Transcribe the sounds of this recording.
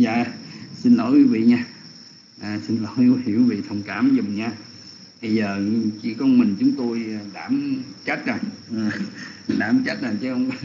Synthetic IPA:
za̰ː˧˨si˧nlɔ˧˨˦jkwi˨˦˥vḭ˧˨ɲaː˧ | ʔaː˨˩si˧nlɔ˨˩˦ji˧˩˦əkwi˦˧vḭ˧˨t̪ʰə˨˩wŋ͡mkaː˧˩mzʊ˨˩wŋ͡mɲaː˧ | ɓə˧jzəː˨˩t͡ɕḭ˧˩˥kɔ˧ŋ͡mmï˨˩ŋ̟t͡ɕʊ˨˦ŋ͡mt̪o˧jɗaː˧˩mt͡ɕa˦˥t̚za˨˩ŋː˨˩ | ɗaː˧˨˩mt͡ɕa˦˥t̚za˨˩t͡ɕə˨˦ə˧wŋ͡m

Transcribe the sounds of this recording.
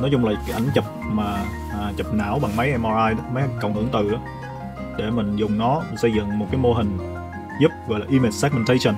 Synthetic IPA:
nɔ˨˦jt͡ɕʊ˧ŋ͡mlaː˨˩kːʔa˧˩jŋ̟t͡ɕə˨˩p̚maː˨˩˨ | t͡ɕə˨˩p̚na̰ː˧˩wɓa˨˩ŋmə˨˦jʔɛ˧mʔɔ˧zaː˧jmə˨˦jkə˨˩wŋ͡mhɨ˧˩əŋt̪ɨ˨˩ʔaː˨˦ | ɗe˧˩mï˨˩ŋ̟zʊ˨˩ŋ͡mnɔ˨˦˨sə˧jzɨ̰˧˨ŋmo˨˩t̚kaː˨˦jmo˧ɦï˨˩ŋ̟ | zʊ˦˥p̚ɣɔ̰˧˨jlaː˨ʔi˧mi˨˩t̚sɛ˦˥k̚mə˧nt̪ʰə˧˦jsə˧˩n

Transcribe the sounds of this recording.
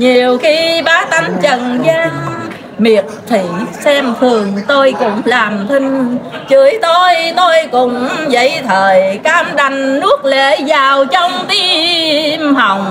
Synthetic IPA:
ɲi˨˩əwxi˧ɓaː˨˦t̪a˧˩jŋ̟t͡ɕə˧˨nzaː˧ŋ | mi˨˩ət̚t̪ʰḭ˧˩˨sɛ˧mt̪ʰɨ˨˩əŋt̪o˧jkʊ̰˧˥ŋ͡mlaː˨˩mt̪ʰï˧ŋ̟t͡ɕɨ˧˨˦əjt̪o˧jt̪o˧jkʊ̰˧˥ŋ͡mzə̰˧˥jt̪ʰəː˨˩jkaː˧mɗa˨˩jŋ̟nɨ˦˥ək̚lḛ˧˨zaː˨˩wt͡ɕɔ˧wŋ͡mt̪i˧˥ | mha˨˩˨wŋ͡m

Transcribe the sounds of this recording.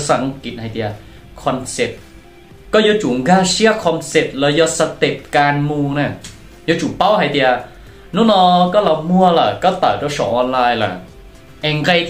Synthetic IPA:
sa˨˦ŋki˨˩t̪̚ha˧jt̪i˧ʔa˧ | kʰɔ˧nse˨˩p̚ | kɔː˥˩joː˧˥t͡ɕu˨˩˦ŋɡaː˧si˥˩əkʰɔ˧nse˨˩p̚lɛː˧˥jɔː˧sa˧t̪e˨˩p̚kaː˧nmuː˧ŋna˧˩˨ | jɔ˧˥t͡ɕu˨˩˦pa˥˩wha˧jt̪i˧ʔa˧ | nuː˦˥˨nɔː˧kɔː˥˩la˧˩mu˧˩ɐla̰˨˩kɔː˥˩t̪aː˨˩wt͡ɕɔ˧˩sʰɔː˨˩˦ŋʔɔː˧nlaː˧jla̰˨˩ | ʔɛ˧ŋka˧j

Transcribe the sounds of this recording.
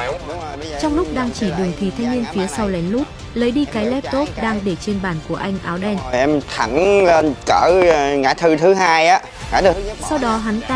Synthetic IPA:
t͡ɕɔ˧wŋ͡mlʊ˦˥k͡p̚ɗaː˧ŋt͡ɕi˧˩ɗɨ˨˩əŋt̪ʰi˨˩t̪ʰa˧jŋ̟ni˧ənfi˨˦əsa˧wlɛ˨˦nlu˦˥t̚ | ləː˨˦jɗi˧kaː˨˦jlɛ˦˥p̚t̪o˦˥t̚ɗaː˧ŋɗe˧˩t͡ɕe˧nɓaː˧˩nku˧˩əʔa˧jŋ̟ʔaː˨˦wɗɛ˧nʔɛ˧mt̪ʰa˧˩n˧kəː˧˩ŋa̰ː˧˩˦t̪ʰɨ˧t̪ʰɨ˨˦haː˧jʔaː˨˦˥ | ŋa̰˧˥˩t̪ʰɨ˧sa˧wɗɔ˨˦ɦa˨˦nt̪ː

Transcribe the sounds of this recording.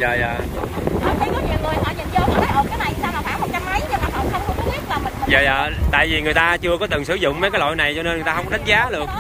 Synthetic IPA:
zə̰ː˨˩zə̰ː˨ɗɔ˨˦t̪ʰi˨˩kɔ˨˦ɲi˨˩əwŋɨ˨˩əjhɔ̰˧˦ɲḭ˨˧˩əmzə˨˦kɔ˨˦t̪aː˨˦jʔə˧˩kaː˨˦na˨˩jsaː˧wmlaː˨˩faː˧˦wmo˨˩k̚t͡ɕa˧mːa˨˦jɲa˧˩maː˨˩ʔə˧˩wŋ͡mxə˧wŋ͡mxʰə˧˦kɔ˨˦ɓi˦˥ət̚laː˨˩mï˨˩ŋə˨zəː˨˩zə̰ː˧˨˧t̪a̰ː˧˨jvi˨˩ŋɨ˨˩jt̪aː˧t͡ɕɨ˧əkɔ˨˦t̪ɨ˨˩ŋsɨ˧˩zʊ̰˧˨ŋ͡mmə˨˦jkaː˨˦jlo̰˧˨jna˨˩jt͡ɕɔ˧ne˧nŋ˨˩jt̪aː˧wŋ͡mkɔ˧ɗa˦˥jt̚zaː˨˦ɗɨ˨˩ək̚

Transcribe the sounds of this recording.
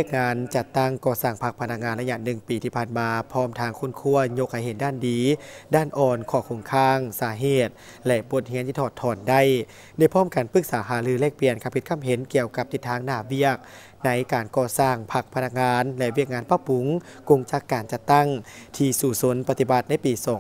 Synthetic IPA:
i˧ək̚ŋaː˧˥nt͡ɕa˧t̪ːa˥˩ŋkɔː˧˩saː˧˩ŋpʰa˧k̚pʰa˧na˧˥k̚ŋaː˧˥nla˧ɲa˧nɯ˨˩ŋpiː˨˩t̪ʰiː˧˩pʰaː˧˩nmaː˧pʰɔː˧˥˩mt̪ʰaː˧˥ŋkʰo˧˥˨nkʰu˧˥˩ɐəɲo˧˥k̚ha˧˩jhe˨˦ndaː˧˥˩ndiː˨˦daː˧˥˩nʔɔː˧˩nkʰɔː˧˩kʰo˧˩ŋkʰaː˧˩ŋsaː˨˩˦ɦeː˨˧˩t̪̚ | lɛ˧ʔbo˧˦t̪̚hi˧˥nʰiː˧t̪ʰːt̪ʰːɔː˨˩nda˥˩˨j | daː˧˥˩jpʰɔː˥˩˨mka˨˩npɯ˧˥k̚saː˩˦ɦaː˨˩˦lɯː˧lɛː˧˩k̚pli˨ənkʰa˧˥pʰi˧t̪̚kʰa˧˥mɦe˨˦nki˧˨əwka˧˦p̚t̪i˧˦t̪ʰːaː˧˥ŋnaː˧˩wi˧˥˩ək̚ | na˧˦˥jkaː˨˩nkɔː˧saː˧˩ŋpʰa˧˥k̚pʰa˧na˧˥k̚ŋaː˧˥nlɛ˧ʔwi˥˩ək̚ŋaː˧˥npa˧pu˨˧˦ŋ | ko˧ŋt͡ɕa˧˥kːaː˨˩nt͡ɕa˧˦t̪ːa˥˩ŋt̪ʰiː˧suː˧˩so˧˦npa˧t̪i˧˩ba˧˦t̪̚na˧˥˨jpiː˨sɔː˨˦ŋ

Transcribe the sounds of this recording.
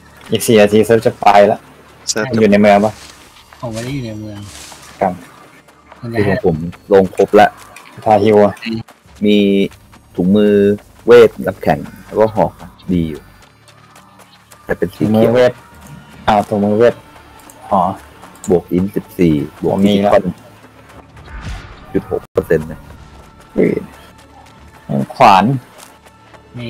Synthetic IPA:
ʔiː˨˩k̚siː˨˩na˧t̪ʰiː˧seː˦˥p̚t͡ɕa˧˩paː˧jla˦˥ʔ | juː˨˩na˧jmɯ˧əŋba˦˥˩ | hʰɔ˨˩ma˧˥˨ju˨˩na˧jmɯ˧əŋkʰa˦˧˩p̚ | ɯː˧˩kʰa˨˦pʰo˩˦mloː˧ŋkʰo˦˥p̚lɛ˦˥ʔsa˧t̪ʰaː˧hi˧wa˧ | miː˧ | t̪ʰuː˨˩˦k̚mɯː˧ | weː˥˩t̪̚la˧˥p̚kʰɛ˩˦ŋlɛː˦˥kaː˥˩ɦɔː˩˦kʰa˧˩diː˧juː˨˩ | t̪ɛ˨˩pe˧nsiː˨˦mː˦˧weː˦˥˩t̪̚ʔa˧˩t̪ʰu˨˦mɯː˧weː˥˩t̪̚hɔː˩˦bu˨˩ək̚ʔi˧˦˥nsi˨˩p̚siː˨˩bu˨˩˨ki˦˧˦ka˧˩n | t͡ɕu˨˩t̪̚ho̰˨˩˥k̚pɤː˧se˧nːa˧˩ | ḭː˨˩ | na̰˧nkʰwaː˩˦n | mi˧

